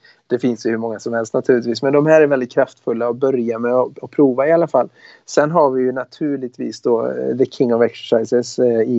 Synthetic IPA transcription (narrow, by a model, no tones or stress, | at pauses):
d̪̥ɛfɪnsjɵhɵɾmɔŋːasɔmhɛlst̪nat̪ʰʉːlɪt̪viːsmɛnd̪ɔmhæːɾæɾvɛld̪ɪt̪̚kʰɾaft̪fɵlːaɔbœɾjamɛɔɔpʰɾuːvaɪalːafalː | sɛnːɦaɾvɪjɵnat̪ʰʉ̟ːɭɪɡ̚t̪vḭːsd̪ɔd̪əkʰɪŋːɔvɛksɛ̥ʂaɪsɛsɪ